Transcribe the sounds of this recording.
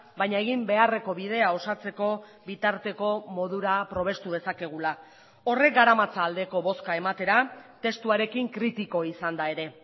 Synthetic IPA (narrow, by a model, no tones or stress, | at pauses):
bajɲaeɣ̞imbe̞are̞ko̞βiðe̞ao̞sat͡se̞ko̞bit̪aɾt̪e̞ko̞mo̞ðuɾapɾo̞β̞e̞st̪uð̞e̞sake̞ɣ̞ula | o̞re̞kɡaɾamat͡saːld̪e̞ko̞βo̞skae̞mat̪e̞ɾat̪e̞st̪uaɾe̞kiŋkɾit̪iko̞isand̪ae̞ɾe̞